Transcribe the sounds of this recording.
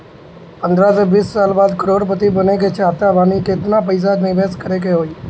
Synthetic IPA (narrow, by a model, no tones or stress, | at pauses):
pə̃nd̪ʱɾaseʋiːsːaːlbaːd̪kəɾoːɾp̬ət̪ibəneket͡ʃaːt̪abʱaːniket̪nap̬əɪs̬ad̪mẽʋeːskəɾek̬eɦoːiː